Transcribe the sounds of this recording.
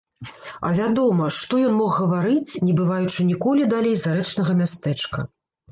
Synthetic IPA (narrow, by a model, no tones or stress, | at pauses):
ɐ̰vʲad̪ɔmɐʂt̪ɔjɔnmɔxɣɐvaɾɨt͡sʲnʲɛbɨvajut͡ʂɨnʲikɔlʲid̪alʲejzaɾɛt͡ʂnɐɣɐmʲast̪ɛt͡ʂkɐ̰